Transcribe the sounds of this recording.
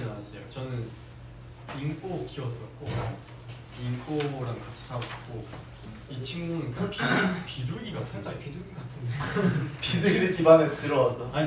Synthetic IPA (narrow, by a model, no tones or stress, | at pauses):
nanas͈ʌjot͡ɕʌnɯn | ink͈ok͈iʌs͈ʌt̚k͈o | ink͈oɾaŋkat͡ɕʰi̥s͈ʰaʌs͈ʌt̚k͈o | it͡ɕʰiŋmunɯnkɯpipiduɡiɡasʰeŋdaɡipiduɡikatʰɯndepiduɡiɾet͡ɕibaŋetɯɾʌwasʰʌa